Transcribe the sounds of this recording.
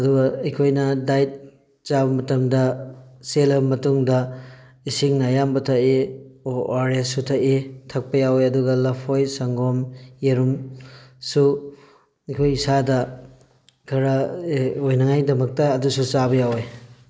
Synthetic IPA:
ɐduɡɐɐjkʰojnɐdajt̚ | t͡ʃabɐmɐtɐmdɐselɐbɐmɐtuŋdɐ | isiŋnajambɐtʰɐʔeoaɾjasutʰɐʔetʰɐk̚pɐjawjɐduɡɐlɐpʰojsɐŋɡomeɾum | su | ɐjkʰojisadɐ | kʰɐɾɐojnɐŋajdɐmɐk̚tɐːdusut͡ʃaβɐjawej

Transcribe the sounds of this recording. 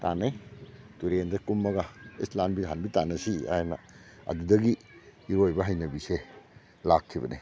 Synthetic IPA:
ta̰najtuɾendɐkumːɐɡaislambiɦanbitanɐsia̰jena̰ | ɐ̰dudɐɡiː | ɾojbɐɦajnɐbise | lakʰːibɐ̰nḛ

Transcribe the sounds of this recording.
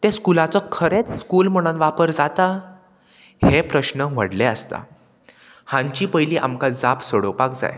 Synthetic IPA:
t̪eskulat͡sɔkʰəɾet͡sskuːlm̤əɽ̃ənʋapəɾd͡zat̪a | hepɾəɕnəʋəɽleəst̪a̰ | hãɲt͡ɕiːpəjliːʔa̰mkad͡zapsəɽopakd͡za̰j

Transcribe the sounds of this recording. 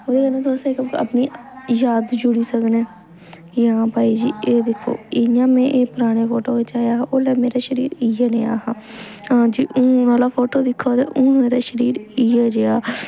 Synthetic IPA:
oːd̪eːkəlnẽːt̪ʰʊaːseːkəbka̰pniː | jaːd̪d͡ʒʊɽiːsəkneː | ɪãːpaːiːd͡ʒiːeːd̪ɪkʰːo̰ːɪjãːmɛ̃ːʔeːpʊɾaːɽ̃eːpʰoːʈoːet͡ʃaːjaːʔoːlɛːmeːɾaːʃəɾiːɾijaːneːa̰ːɦãːãːd͡ʒiːʔũːnaːlaːpʰoːʈoːd̪ɪkʰːoːt̪ḛːʔũːmeːɾaːʃəɾiːɾiaːd͡ʒeːaː

